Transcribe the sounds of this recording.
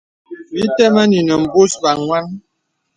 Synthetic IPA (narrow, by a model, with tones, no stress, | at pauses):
bi˦tɛ˦ma˦ni˨nə˨m̩˨bu˦sba˨ŋŋwa˦ŋ